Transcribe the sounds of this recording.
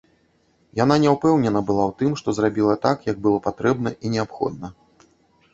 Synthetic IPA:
jananʲɛwpɛwnʲɛnɐbɨlˠawt̪ɨmʂt̪ɔzrabʲilˠɐt̪akjɐɡ̚bɨlˠɔpat̪ɾɛbnɐʔinʲɛapxɔ̰d̪̚nɐ

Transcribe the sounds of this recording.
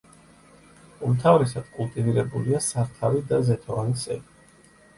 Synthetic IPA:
umt̪ʰavɾɛsad̪̥kʼulˠt̪ʼiniɾɛbuliasaɾt̪ʰavid̪azɛt̪ʰɔanisɛ̰bi

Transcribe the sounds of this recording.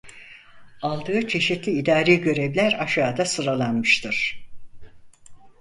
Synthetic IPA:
alˠd̪ɯːt͡ʃʰe̞ʃit̪lʲiid̪aːɾeɟø̞ɾevlʲæɾaʃaːd̪asɯɾalˠanmɯʃt̪ʰɯɾ̥

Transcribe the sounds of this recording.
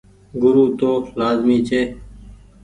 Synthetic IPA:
ɡʊɾuːt̪oːlaːzmiːt͡ʃeː

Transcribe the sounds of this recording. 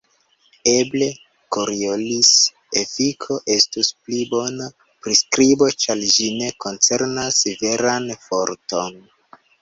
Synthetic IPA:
e̞ble̞ | koɾiolis | efikʰo̞ʔe̞stusplibo̞na | pɾiskɾibo̞t͡ʃald͡ʒine̞ko̞nt͡se̞ɾnaseve̞ɾanfo̞ɾto̞n

